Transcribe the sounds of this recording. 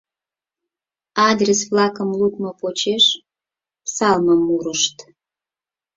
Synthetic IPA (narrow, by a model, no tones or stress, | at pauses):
ɑd̪rʲesβlɑkəmlut̪mopot͡ɕeʃ | psɑlməmːuɾəʃt̪